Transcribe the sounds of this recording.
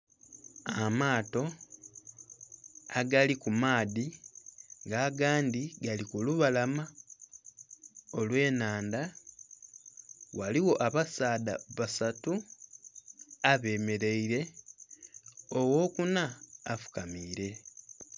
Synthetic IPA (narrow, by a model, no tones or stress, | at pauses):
amaːto̞ | aɡalikumaːði | ŋɡaːɡaːndiɡalikuluβalama | o̞lwe̞ːnaːnda | waliwo̞ʔaβasaːda̰βasatu | aβe̞ːme̞ɾe̞iɾe̞ | owo̞ːkunaːfu̥kamiːɾe̞